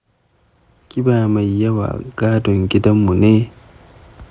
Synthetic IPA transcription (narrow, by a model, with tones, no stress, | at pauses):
kʲɪ˦baː˨ma˨jːɐ˦wa̰ː˨ɡaː˦dɔ˨ŋɡʲɪ˦dɐ˦mːu˨neː˦